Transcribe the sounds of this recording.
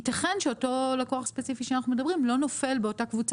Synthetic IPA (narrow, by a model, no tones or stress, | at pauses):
itaχe̞nʃeo̞to̞lako̞aχspet͡sifiʃeanaχnumedɐbʁimlo̞no̞fe̞lbe̞otakvut͡s